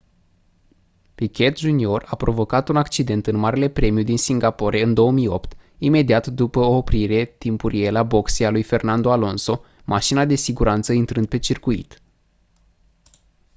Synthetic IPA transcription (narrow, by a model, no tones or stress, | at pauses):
pikʲe̞t̪ʒunio̞rapɾo̞vo̞kat̪unakt͡ʃid̪e̞nt̪ɨnmaɾele̞pɾe̞mijud̪insiŋɡapo̞ɾe̞ɨnd̪o̞wəmijo̞pt̪ime̞d̪iat̪d̪upəoːpɾiɾe̞t̪impuɾijelabo̞ksialujfe̞rnand̪oalo̞nso̞ | mʔaʃinad̪e̞siɡuɾʔant̪səint̪ɾɨnd̪̚pe̞t͡ʃirkuḭt̪